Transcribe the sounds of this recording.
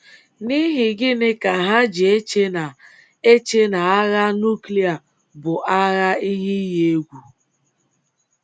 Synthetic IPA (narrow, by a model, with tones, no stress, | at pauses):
ni˦ɦɪ˨ɡɪ˦nɪ˦ka˨ɦa˦d͡ʒɪ˨e˦t͡ʃe˦na˨ | e˦t͡ʃe˦na˨a˦ɣa˦nu˦kli˦a˨ | bʊ˨ʔa˦ɣa˦i˦ɦi˦je˦˨e˦ɡʷu˨